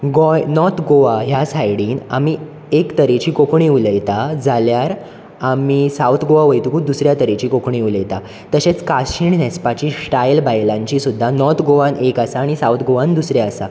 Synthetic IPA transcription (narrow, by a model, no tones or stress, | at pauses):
ɡojnɔɾt̪ʰɡoʋaɦjasajɽiːna̰mi | ekt̪əɾet͡ɕiːkokɳiuləjt̪ad͡zaljaɾ | amisawt̪ʰɡoʋaʋəjt̪ukuːd̪usɾjat̪əɾet͡ɕiːkokɳiuləjt̪a | t̪əɕet͡skaɕiɳnɛspat͡ɕiːsʈajlbajlãɲt͡ɕiːsud̪ʱːanɔɾt̪ʰɡoʋãnekasaːɽ̃isawt̪ʰɡoʋãnd̪usɾjaəsa̰